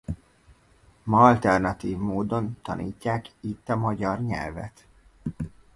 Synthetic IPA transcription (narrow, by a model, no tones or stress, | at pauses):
mɒɒlt̪ɛrnɒt̪iːvmoːd̪o̞nt̪ɒ̰nʔḭːcːaːkit̪ːɒmɒɟɒrɲɛ̰lvɛ̰t̪